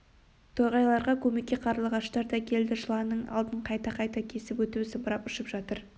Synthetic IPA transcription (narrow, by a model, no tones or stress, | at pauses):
t̪ʰojʁɑjlˠɑɾʁɑkʲʰɵme̞kʲːe̞qʰɑɾlˠəʁɑʃt̪ɑɾd̪ɑkʲʰe̞ld̪ɪʒəlˠɑnəɴɑ̰lˠd̪əɴqʰɑjt̪ɑqʰɑjt̪ɑkʲʰe̞sɪpwɵt̪usəbəɾɑpʊʃəpʒɑt̪əɾ